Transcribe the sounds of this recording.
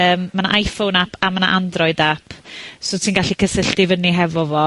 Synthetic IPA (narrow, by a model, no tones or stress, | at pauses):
əːmːana̰ʔajfownapʰamana̰ʔandrɔɨdapʰsotʰiːnɡaɬikʰəsəɬtɪvənːiɦɛvɔvɔ